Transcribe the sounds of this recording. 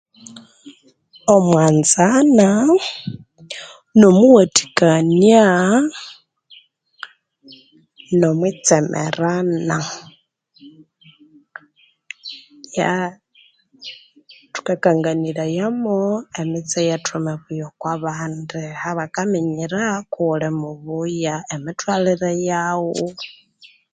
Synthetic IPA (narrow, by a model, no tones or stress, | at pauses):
omwaːnzana | nomuwati̥kania | nomwit͡sɛmʔɛ̰ɾana | ja | tu̥kakaŋɡaniɾajamoemit͡sejatʰumeβujokwaβaːndihaβakamiɲiɾakulemuβujaemitwaliɾejawo